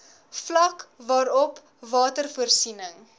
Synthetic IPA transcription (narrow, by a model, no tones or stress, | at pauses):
flɐkvɑːɾɔp | vɑːtərfuərsinəŋ